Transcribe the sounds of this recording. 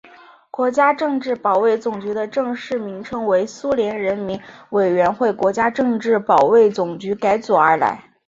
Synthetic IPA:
kwɔ˧˥t͡ɕja˥ʈ͡ʂɤ˥˧ŋʈ͡ʂɻ̩˥˩pɑ˨˩ʊwe˥˩ɪt͡sʊ˨˩ŋt͡ɕy˧˥d̪ə˧ʈ͡ʂɤ˥˧ŋʂɻ̩˥˩mi˧˥ŋʈ͡ʂʰɤ˥ŋwe˧˥ɪsu˥ljɛ˧˥nɻə˧˥nmi˧˥nwe˨˩ɪɥɛ˧˥nxwe˥˩ɪkwɔ˧˥t͡ɕja˥ʈ͡ʂɤ˥˧ŋʈ͡ʂɻ̩˥˩pɑ˨˩ʊwe˥˩ɪt͡sʊ˨˩ŋt͡ɕy˧˥ka˧˥ɪt͡swɔ˨˩ə˞˧˥la̰˧˥ɪ

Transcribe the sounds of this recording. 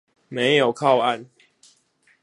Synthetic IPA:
me˨˦ɪjo˨˩ʊkʰa˥˨ʊa˥˨n

